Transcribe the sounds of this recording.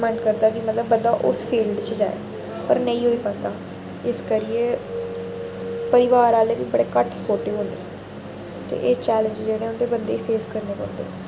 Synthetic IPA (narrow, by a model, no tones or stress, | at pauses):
mɛ̃ɳɖkəɾd̪aːkɪmət̪ləbːənd̪aːʔʊ̰spʰiːlɖt͡ʃəd͡ʒa̰ːḛː | pəɾnə̃ĩːɦoːiːpə̃nd̪aː | ɪskəɾiːeː | pəɾɪʋaːɾaːleːbiːbəɽeːkəʈsəpoːɾʈɪʋɦõːnd̪eː | t̪ḛːʔeːt͡ʃɛːlə̃ɲd͡ʒd͡ʒeːɽeːõnd̪eːbənd̪eːipʰeːskəɾneːkə̰̃nd̪ḛː